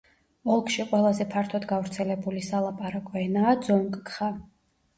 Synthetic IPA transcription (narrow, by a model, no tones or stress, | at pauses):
ɔlˠkʰʼʃiqʼwɛlˠazɛpʰaɾt̪ʰɔd̪ɡavɾt̪sʰɛlɛbulisalˠapʼaɾakʼɔɛnaːd̪zɔŋkʼkχa